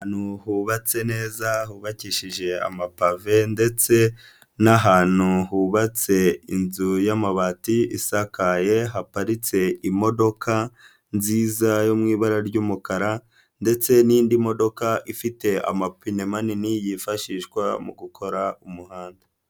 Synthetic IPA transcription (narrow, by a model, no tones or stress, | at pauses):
nuhuβat͡se̞ne̞ːzaɦuβaciʃiʒe̞a̰mapave̞nde̞t͡se̞ | naɦaːn̥huhuβat͡se̞inzujamaβatiisakaje̞ɦapaɾit͡se̞ʔimo̞do̞kʰa | nziːzajomŋiːβaɾaɾɟuːmukaɾa | nde̞t͡se̞niiːndimo̞do̞kaʔifite̞a̰mapinemaninijifaʃiːʃkwamuɡukʰo̞ɾaumuhaːnda